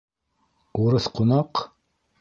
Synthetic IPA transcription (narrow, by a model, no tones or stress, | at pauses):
uɾɤθqŏnɑq